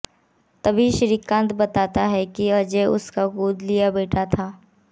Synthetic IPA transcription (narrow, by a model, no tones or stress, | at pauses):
t̪ɐbʱiʃɾiːkːãːnt̪bɐt̪aːt̪aɦɛkiɐd͡ʒeʊ̰skaɡuːd̪lijabeːʈʰat̪ʰaː